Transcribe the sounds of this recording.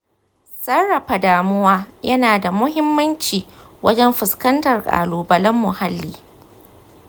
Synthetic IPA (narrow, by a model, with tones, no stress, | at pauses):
sɐ˦rːɐ˨ɸa˨daː˨mʊ˦waː˦jɐ˦naː˨da˨mʊ˦hɪ˦mːɐ˦nt͡ʃiː˨ | wʔɐ˦d͡ʒɛ˦mɸɪ˨skɐ˦ntɐ˨rkʼa̰ː˨luː˨bɐ˨lɐ˦mːʊ˨ha˦lːiː˦